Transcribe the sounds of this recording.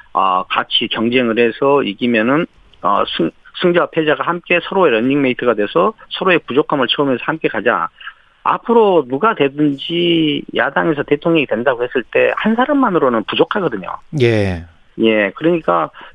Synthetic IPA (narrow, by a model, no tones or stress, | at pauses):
ʌ̰kat͡ɕʰikjʌŋd͡ʑe̞ŋɯɾe̞sʰʌiɡimjʌnɯn | ʌ̰sʰɯsʰɯŋd͡ʑʌwapʰe̞d͡ʑaɡahamk͈e̞sʰʌɾoeɾʌɲːiŋme̞itʰɯɡadwesʰʌsʰʌɾoe̞pud͡ʑokʰamɯɭt͡ɕʰʌmjʌnsʰʌhamk͈e̞kad͡ʑa̰ | a̰pʰɯɾonuɡadwe̞dɯnd͡ʑija̰daŋe̞s̬ʰʌte̞tʰoŋɲʌŋidwe̞ndaɡohe̞s͈ɯɭt͈e̞̰hansʰaɾamːanɯɾonɯnpud͡ʑokʰaɡʌdɯɲo̰je | je̞kɯɾʌɲik͈a